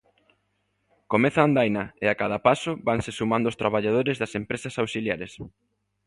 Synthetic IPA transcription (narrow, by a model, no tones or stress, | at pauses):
komeθaːnd̪ajnɐeakaðapasʊbaŋsesumãnd̪oʊst̪ɾaβaʎað̞oɾezðɐsempɾesɐsawsiljaɾes